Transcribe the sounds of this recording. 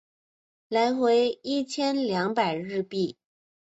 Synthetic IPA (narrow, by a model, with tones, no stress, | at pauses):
la˧˥ɪxwe˧˥ɪi˥˩t͡ɕʰjɛ˥nljɑ˧˥ŋpa˨˩ɪɻɻ̩˥˧pi˥˩